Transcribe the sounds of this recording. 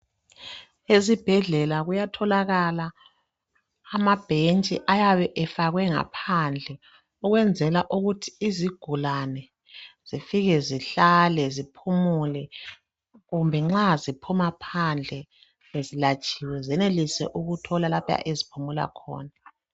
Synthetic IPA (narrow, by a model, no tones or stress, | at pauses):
ezib̥ʱɛɮɛlaɣujatʰɔlaɣala | mab̥ʱent͡ʃʼiʔajaβɛʔɛfaɣwɛŋa̰pʰand͡ɮʱɛ | ɔɣwɛnd͡zʱɛlaʔuɣutʰi̥iziɡ̥ʱulanɛ | z̥ifiɣɛziɬalɛzipʰumulɛ | ɣumbʱɛŋ͡ǁazipʰumapʰand͡ɮʱɛ | ezilat͡ʃʼiːwɛzɛnelisɛ̰ʔuɣutʰɔlalapʰja̰ʔezipʰumula̰kʰɔ̰ːna